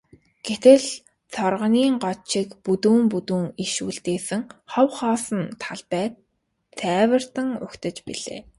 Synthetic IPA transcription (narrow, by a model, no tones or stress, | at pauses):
ɡ̥et̪ɘ̆ɮ | t͡sʰɔrʁə̆niːŋɢɔt͡ɕʰikput̪uːmput̪uːŋiʃṵːɮt̪eːsɘ̆ŋχɔwχɔːsə̆nt̪ʰaɮpæːt̪ | t͡sʰːæːwə̆r̥t̪ə̆ŋʊ̰kt̪ə̆t͡ɕpḭɮḛː